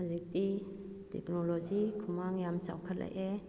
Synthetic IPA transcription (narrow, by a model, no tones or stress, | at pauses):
azik̚di | tʰḛknɔlɔzikʰumaŋjamsa̰wkʰat̚lʔa̰jʔe